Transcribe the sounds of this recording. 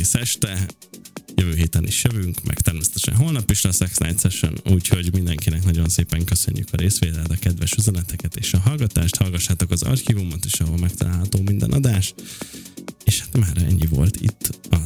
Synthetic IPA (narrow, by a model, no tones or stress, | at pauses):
eːsɛʃt̪ɛ | jøvøːɦeːt̪ɛnʔiʃjøvyŋkmʔɛ̰kt̪ɛrmeːsɛ̥t̪ɛʃɛ̰nɦolnɒpiʃlɛsɛksna̰jt̪sɛʃø̰nuːcho̞ɟmind̪ɛŋkinɛknɒɟo̞nseːpɛŋkø̞sø̞̰ɲːy̰kɒɾeːsʋeːt̪ɛld̪ɒkɛd̪ʋvɛʃyzɛnɛt̪ɛkɛt̪eːʃɒɦɒlɡɒt̪aːʃt̪hɒlɡɒʃːaːt̪o̞kɒzɒ̰rxivumɒt̪eːʃɒɦolmɛk̚t̪ɒlaːlɦɒt̪oːmind̪ɛ̰nʔɒ̰d̪aːʃ | eːʃhḁt̪maːɾɛ̰ɲːivo̞̰lt̪ḭt̪ʰːɒ